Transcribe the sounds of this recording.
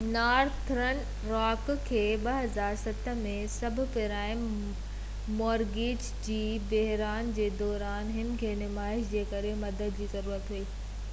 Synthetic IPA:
naːɾt̪ʰɾən | ɾaːkkʰːeːɓɐɦɐzaːɾsɐt̪əmẽsɐbʱʊ̆pɪɾaːɪmː | ɔːɾɡeːd͡ʑ | d͡ʑiːbeɦɾaːnd͡ʑeːd̪ɔːɾaːnɦɪnɪ̆kʰeːnɪmaːɪʃd͡ʑeːkɐɾemɐd̪əd̪d͡ʑiːzɐɾuːɾət̪ɦɐiː

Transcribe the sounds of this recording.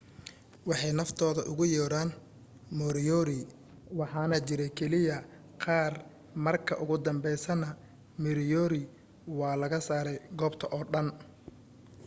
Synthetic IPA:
wɑħɑjnɐft̪ʰɔːðɐʔʊɣʊjɔːɽaːn | mɔɾɪjɔɾɪ | wɑħɑːnɐt͡ʃɪɾɛkʰɛlɪjɐ | qɑːr | mɐrkʰɐ̰ʔʊɣʊd̪ɐmbɛjsɐnɐ | mɪɾjɔːɾɪ | wɑːlɐɣɐsaːɾɛjɡɔːbt̪ʰɐʔɔːɖɐn

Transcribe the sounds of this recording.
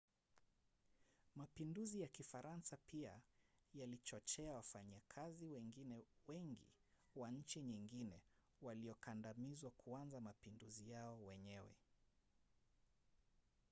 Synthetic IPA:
mapinduzijakifaɾʔansapiajalit͡ʃɔt͡ʃɛawafaɲakʰaziwɛŋɡinɛwɛŋɡḭ | waɲ̩t͡ʃiɲiŋɡinɛ | waliɔkandamizwakʰuanzamapinduzijaɔwɛɲɛwɛ̰

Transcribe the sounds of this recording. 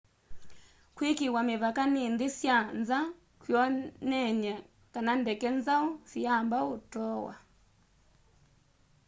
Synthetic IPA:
kwikiwamiβakanind̪isjanza | kwjɔnɛɲɛ | kanandɛkɛnzaɔsiambautɔwa̰

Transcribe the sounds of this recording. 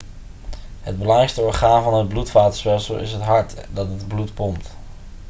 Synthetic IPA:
ɦəd̚bəlɑŋrɛjkstəɔːɹχaːnvɑnɦəd̚blutfaːtə̥ɹspɛlˠsəlˠʔɪ̰sɦətɦɑɹtdɑtɦədblutpɔmt

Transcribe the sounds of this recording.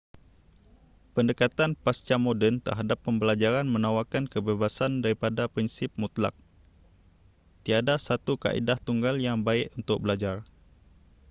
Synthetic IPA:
pəndəkat̪anpast͡ʃamodɛnt̪ə̰rɦadapːəmbəlad͡ʒaɾanmə̃nawakankəbebasandaɾipadapɾinsɪp̚mut̪la̰k̚ | t̪iadasat̪uka̰ʔḭdaht̪uŋɡaljaŋbaɪʔunt̪ʊk̚bəlad͡ʒar

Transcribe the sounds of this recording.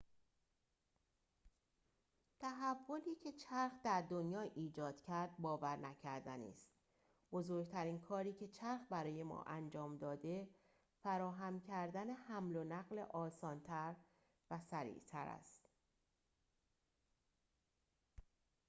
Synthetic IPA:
t̪ʰæɦævːo̞liːcʰe̞t͡ʃʰæɾxd̪æɾd̪o̞njɒːʔiːd͡ʒɒːd̪̥cʰæɾd̪̥̚bɒːvæɾnæcʰæɾd̪ænḭːst̪ | bo̞zoɾɡt̪ʰæɾiːnkʰɒːɾiːcʰe̞t͡ʃʰæɾxbæɾɒːje̞mɒ̰ːʔænd͡ʒɒːmd̪ɒːd̪e̞ | fæɾɒːɦæmcʰæɾd̪æne̞hæmlo̞næɣlḛʔɒːsɒːnt̪ʰæɾ | væsæɾḭːʔt̪ʰæɾæ̰st̪

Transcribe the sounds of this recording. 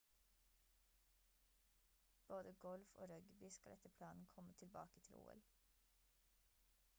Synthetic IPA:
b̥oːd̪əɡɔlfo̰ːɾœɡbʏskɑlɛt̪əpʰlɑːnn̩kʰɔmət̪ʰɪlbɑ̰ːkət̪ʰɪlṵːɛ̰l

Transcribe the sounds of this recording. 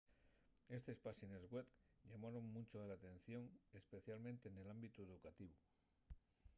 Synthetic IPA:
e̞st̪espaʃinezɣwetʎamaɾo̞ŋmut͡ʃoalat̪e̞n̟θjo̞ŋespe̞θjalmẽnt̪e̞ːne̞lambit̪ueðukat̪iβu

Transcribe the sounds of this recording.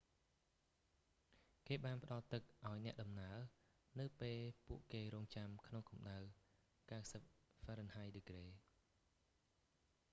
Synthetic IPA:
keːɓaːnpə̆ɗɑlt̪ɨk̚ʔaɔjnɛ̆əʔɗɑmnaə | nɨwpeːlpuəʔkeːɾɔːŋt͡ɕamkʰnoŋkumɗaw | kawsəp̚faɾənhajɗekreː

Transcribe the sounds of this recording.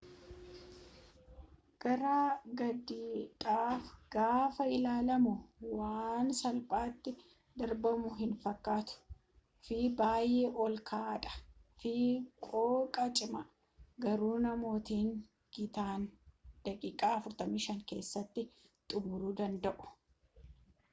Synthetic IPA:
ɡ̥ɐɾaːɡɐd̪iːᶑaːfɡ̥aːfɐɪlaːlɐmʊwaːnsɐlpʼaːt̪ːɪ | d̪ɐɾbɐmʊɦɪnfɐkːaːt̪ʊ̥ | fiːbaːjeːʔɔlkʰaːᶑɐ̥fiːkʼoːkʼɐt͡ʃʼɪmɐ | ɡɐɾuːnɐmo̞ːt̪iːŋ | ɡ̥ɪt̪aːnd̪̥ɐkʼiːkʼaːɐfʊɾt̪ɐmiːʃɐŋke̞ːsːɐt̪ːɪ | t̪ʼʊmʊɾuːd̪ɐnd̪ɐʔʊ̥

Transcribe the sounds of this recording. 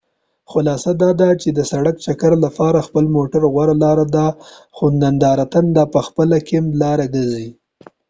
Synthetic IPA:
xʊlɑsad̪ɑd̪at͡ʃed̪əsaɽakt͡ʃakaɾlapɑɾaxpəlmoʈaɾɣwaɾalɑɾad̪a | xond̪and̪ɑɾat̪and̪apəxpəlakɪmlɑɾaɡəzi

